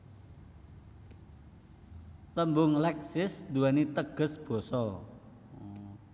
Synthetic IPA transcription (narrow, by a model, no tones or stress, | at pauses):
t̪əmbʊŋlɛksɪsd̪uanit̪əɡ̥ə̤sb̥ɔ̤sɔ